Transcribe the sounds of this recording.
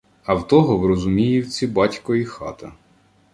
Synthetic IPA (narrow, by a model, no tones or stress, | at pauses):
ɐwt̪ɔɦɔwɾɔzʊmʲijʊwt͡sʲːibɑtʲkɔjixɑ̰t̪ɐ